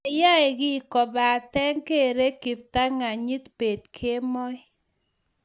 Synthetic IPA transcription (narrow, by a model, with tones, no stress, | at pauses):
e˨ja˦e˨ɡi˦˨kɔ˨ba˨tɛ˦ŋke˦˨ɾe˦ki˨p̚ta˦ŋa˨ɲi˦tpe˨tkʰe˦mɔ˦j